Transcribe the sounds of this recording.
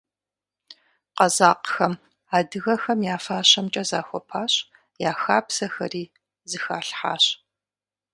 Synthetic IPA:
qɐzaːqxɐm | aːdɨɣɐxɐmjaːfaːɕɐmt͡ʃʼɐzaːxʷɔpʰaːɕ | jaːxaːpsɐxɐ̰riː | zɨxaːɬħa̰ːɕ

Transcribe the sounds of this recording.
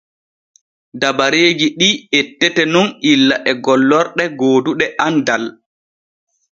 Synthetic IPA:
dabaɾeːd͡ʒiɗietːɛtɛnunilːaʔɛɡɔlːɔɾɗɛɡoːduɗɛʔandal

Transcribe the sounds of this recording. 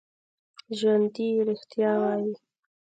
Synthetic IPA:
ʒwand̪iɾɪxt̪jɑwɑːji

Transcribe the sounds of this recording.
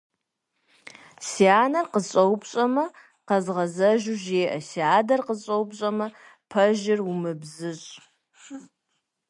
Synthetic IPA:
siaːnɐrqəzɕʼɐwpɕʼɐmɐ | qɐzʁɐzɐʒuʒeːʔɐ̰siaːdɐrqəɕʼɐwpɕʼɐmɐ | pʰɐʒɪrumɨbzɨɕʼ

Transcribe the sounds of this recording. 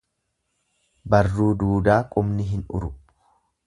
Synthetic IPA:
bɐrːuːd̪uːd̪aːkʼʊmnɪɦɪnʊ̰ɾʊb

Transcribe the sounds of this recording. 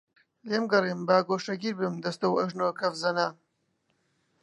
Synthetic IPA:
leːmɡɐrimbaːɡoːʃɐɡiːɾbɨmd̪ɐst̪ɐwɐʒnoːkʰɐvzɐnaːn

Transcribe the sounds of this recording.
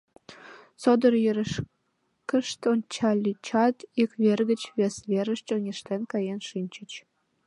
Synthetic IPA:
sod̪ərjøɾeʃ | kə̆ʃt̪onʲt͡ɕɑlʲːit͡ɕɑt̪ikβerɣət͡ɕβesβeɾəʃt͡ɕoŋʲeʃt̪enkɑjenʃinʲt͡ɕət͡ɕ

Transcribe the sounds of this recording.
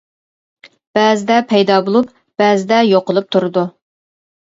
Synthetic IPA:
b̥ɛzɪd̪ɛpʰɛjd̪ɑbolˠup | b̥ɛzɪd̪ɛjoqəlˠup̚t̪ʰuɾɨd̪u

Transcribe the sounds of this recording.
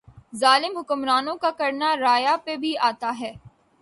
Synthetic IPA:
zaːlɪmɦʊkʊmɾaːnõkakɐɾnaɾaːjapebʱiaːt̪aɦɛː

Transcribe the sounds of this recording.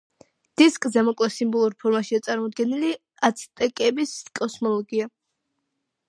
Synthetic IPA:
d̪̥iskʼzɛmɔkʼlɛsimbɔlˠuɾpʰɔɾmaʃiat̪sʼaɾmɔd̪ɡɛnili | at̪sʰit̪ʼɛkʼɛbiskʼɔsmɔlˠɔɡia

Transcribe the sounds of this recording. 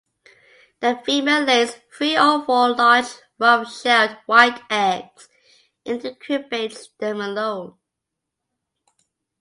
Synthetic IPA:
ðəfimelɪsfɹiɔfɔlaɪs | ɹʌvʃɛdwaɪtæɡs | ʔɪ̃ntɨkʰɹɪpetðə̃məlõʊ̃n

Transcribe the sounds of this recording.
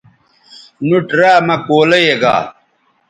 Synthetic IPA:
nuʈɾaːmɐkoːlɐjeɡa̰ː

